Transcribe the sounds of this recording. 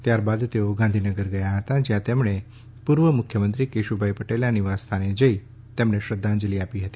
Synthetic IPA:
t̪jaɾbad̪t̪eoɡãnd̪ʱinəɡəɾɡəjaɦət̪ad͡ʒjãt̪emɳ̃e | puɾʋəmʊkʰjəmənt̪ɾikeʃubʱaipəʈeljãniʋast̪ʰaned͡ʒəi | t̪emɳeʃɾəd̪ʱːãnd͡ʒliapiɦət̪i

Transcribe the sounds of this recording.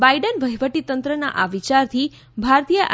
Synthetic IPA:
bajɖənʋəɦjʋəʈit̪ənt̪ɾəna̰ʔaʋit͡ʃaɾt̪ʰi | bʱaɾt̪ijəʔ

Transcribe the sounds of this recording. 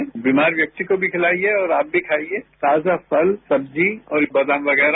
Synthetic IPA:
biːmaːɾʋjɐk̚t̪ikobʱikʰɪlaːieɔːɾaːp̚bʱikʰaːieːt̪aːd͡ʒapʰɐlsɐb̚d͡ʒiɔːɾbɐd̪ãːmʋɐɡɛːɾa

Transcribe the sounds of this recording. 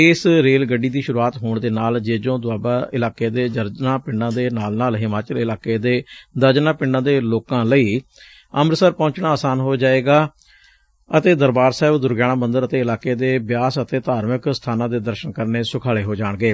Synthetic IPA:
ɪsɾeːlɡəɖːiːd̪iːʃʊɾuaːt̪ɦoːɳd̪eːnaːld͡ʒeːd͡ʒõːd̪ʊaːbaːʔɪlaːkeːd̪eːd͡ʒ̪əɾd͡ʒnãːpɪɳɖãːd̪eːnaːlnaːlɦɪmaːt͡ʃəlɪlaːkeːd̪eːd̪əɾd͡ʒnaːpɪɳɖãːd̪eːloːkãːləiː | əmɾsəɾpɔ̃ːɲt͡ʃɳ̃aːsaːnɦoːd͡ʒaːeːɡaː | ət̪eːd̪əɾbaːɾsɛːɪbd̪ʊɾɡjaːɽ̃ãːbənd̪əɾət̪eːɪlaːkeːd̪eːbjaːsət̪eːt̪aːɾməkst̪ʰaːnãːd̪eːd̪əɾʃənkəɾneːsʊkʰaːɭeːɦoːd͡ʒaːɳ̃ɡeː

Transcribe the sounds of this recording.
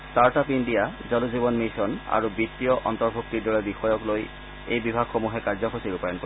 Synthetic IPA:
staɹtapindijazɔluzibɔnmisɔna̰ɹubit̪ːijɔʔɔntɔɹbʱuktidɔɹɛbixɔjɔkloj | ejbibʱaɡxomuɦɛkaɹzɔxʰosiɹupajɔnko

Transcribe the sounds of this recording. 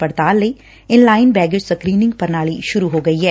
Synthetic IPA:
pəɽt̪aːlːəiː | ɪnlaːɪnbɛːɡɪd͡ʒsəkɾiːnɪ̃ŋɡpəɾnaːɭiːʃʊɾuɦoːɡəiːɦɛː

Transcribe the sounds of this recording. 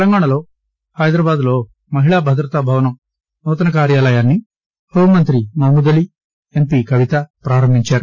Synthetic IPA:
t̪lɐŋɡaːɳɐlo̞ː | hɐjd̪ɾaːbaːd̪lo̞ː | mɐɦiɭaːbʱɐd̪ɾɐt̪ɐbʱɐʋɐnɐm | nɔːt̪̬ɐnɐkaːɾjaːlɐjaːnːi | bɐɦumɐnt̪ɾimɐmud̪ɐli | empiːkɐʋit̪ɐpɾaːɾɐmbʱiɲt͡ʃaːɾu

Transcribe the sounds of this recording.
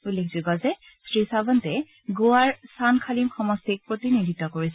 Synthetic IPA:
ulːekʰzuɡɔzɛ | sɹisabɔntɛ | ɡoaɹsankʰalimxɔmɔstʰik̚pɹot̪inid̪ʱitːɔkoɹisɛ

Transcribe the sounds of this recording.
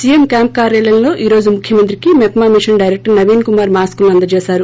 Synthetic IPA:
sijemkʲaːmp̚kaːɾjaːlɐnlo̞ːʔiːɾo̞ːd͡ʒumukʰjɐmɐnt̪ɾikimɛpmaːmiʂɐnɖɐjɾek̚ʈɐɾnɐʋiːnkumaːɾmaːskuluɐnd̪ɐt͡ʃeːsaːɾu

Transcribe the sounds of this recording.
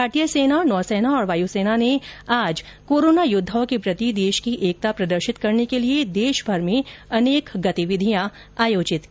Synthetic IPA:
aːɾʈijəseːnanɔːseːnaɔːɾʋaːjuseːnaneaːd͡ʒ | koːɾoːnajʊd̪ʱːaõkepɾɐt̪id̪eːʃkiʔeːk̚t̪apɾɐd̪əɾʃɪt̪kɐɾnekelied̪eːʃbʱɐɾmẽɐneːkɡɐt̪iʋɪd̪ʱijã | aːjoːd͡ʒɪt̪

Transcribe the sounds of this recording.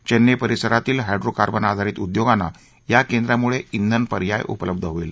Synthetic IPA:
t͡ɕenːjepəɾisəɾat̪iːlɦajɖɾokaɾbənad̪ʱaɾiːt̪ud̪joɡanːa̰ | jakend̪ɾjamuɭeind̪ʱənpəɾjajʔṵpələb̚d̪ʱəɦoil

